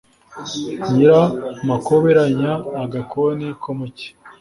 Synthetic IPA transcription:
ɲiɾamakoβeɾaɲaːɡakʰonikʰomoce̥

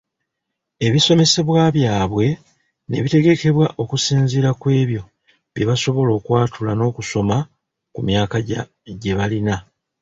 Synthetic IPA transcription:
e̞βiso̞me̞se̞βwaːβjaːβwe̞ | ne̞̰βite̞ɡe̞ke̞βwaʔo̞kusiːnziɾakwe̞ːβjo̞ | βjeβaso̞βo̞lo̞ːkwaːtʰulano̞ːkuso̞ma | kumjaːkaɟa | ɟe̞βalina

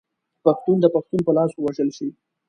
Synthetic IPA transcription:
paxt̪und̪əpaxt̪unpəlɑswaʒəlʃi

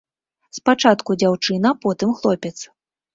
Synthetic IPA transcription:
spat͡ʂat̪kud͡zʲawt͡ʂɨnɐpɔt̪ɨmxlˠɔpʲɛt̪s

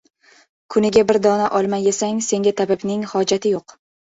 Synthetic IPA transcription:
kʰʊnɪɡʲabɪɾd̪ɒnaʔɒlˠmajesaŋse̞ŋɡʲat̪ʰabɪbnɪŋhɒd͡ʒat̪ʰɪjoq

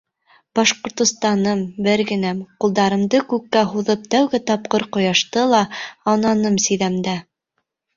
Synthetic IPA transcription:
b̥ɑʃqŏɾt̪ŏst̪ɑnɤmbɘɾɡɘ̆næmqulˠd̪ɑɾɤ̆md̪ɤkʉkːæɦuðɤp̚t̪æwɡɘt̪ɑp̚qɤɾqŏjɑʃt̪ɤlˠɑɑnɑnɤmsĭðæmd̪æ

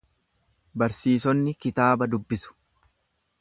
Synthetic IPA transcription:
bɐɾsiːs̬ɔnːɪkɪt̪aːbɐd̪ʊbːɪsʊ̥

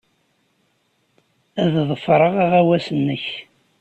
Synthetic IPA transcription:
æððˤəfɾˤəʁæʁæwæsənːəç

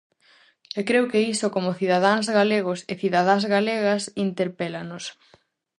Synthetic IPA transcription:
ekɾewkeisokomʊθiðaðaŋzɣaleɣoseθiðaðazɣaleɣɐsint̪eɾpelanos

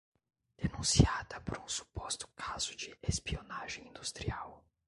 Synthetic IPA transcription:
d̪̥enũsiad̪ɐpʊɾũsu̥pɔst̪ʊ̥kʰazʊd͡ʒɪespionaʒẽj̃ĩnd̪ust̪ɾiaw

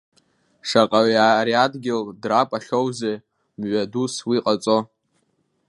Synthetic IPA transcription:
ʂaqʼaɥaɾiadɡʲɪldrapʼaχʲowze | mɥʷaduswiqʼat͡sʼo̞

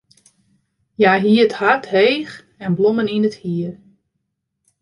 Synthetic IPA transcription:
jaːɦiəthathejx | ɛnbloməninəthiər

